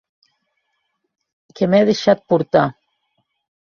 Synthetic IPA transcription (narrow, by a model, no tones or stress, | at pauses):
kemeðeʃat̪̚puɾt̪a